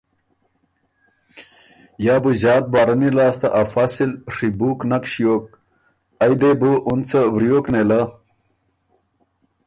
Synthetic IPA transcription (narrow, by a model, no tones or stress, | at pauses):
jaːbuʑaːt̪̚baːɾɐnilaːst̪ɐ̰ʔafasilʂibuːknɐkɕjoːk̚ | ɐjd̪ebuʔunt͡sɐwɾijoːkneːla